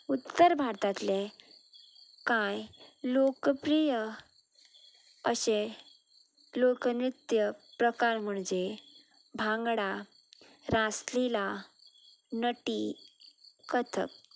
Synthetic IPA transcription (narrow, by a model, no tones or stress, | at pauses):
ut̪ːəɾbʱaɾt̪at̪le | kajlokəpɾijə | əɕe | lokənɾit̪jəpɾəkaɾm̤əɳd͡ʑe | bʱãŋɡɽa | ɾaslila | nəʈi | kət̪ʰək̚